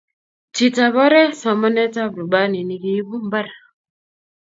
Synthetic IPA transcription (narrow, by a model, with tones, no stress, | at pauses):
t͡ʃi˨ta˨βɔ˦ɾɛ˦sɔ˨mɔ˦nɛ˦ta˦bɾu˨ba˦ni˨ni˨ɡi˨˦bu˦m˦ba˦ɾa˨